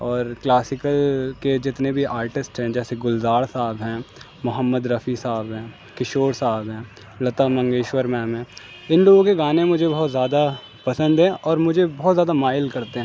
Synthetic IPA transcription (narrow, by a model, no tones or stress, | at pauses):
ɔːɾklaːsɪkəlked͡ʒɪt̪nebʱiʔaːɾʈɪsʈɦɛ̃ːd͡ʒɛːseɡʊlzaːɽsaːbɦɛ̃ː | mʊɦəmːəd̪ɾɐfisaːbɦɛ̃ː | kɪʃoːɽsaːbɦɛ̃ː | lɐt̪amɐ̃ŋɡeːʃwəɾmɛːmɦɛ̃ː | ɪnloːɡõkeɡaːnẽmʊd͡ʒʱebɔɦɔt̪zjaːd̪a | pɐsə̃nd̪ɦɛ̃ʔɔːɾmʊd͡ʒʱebɔːt̪zjaːd̪amaːɪlkɐɾt̪eɦɛ̃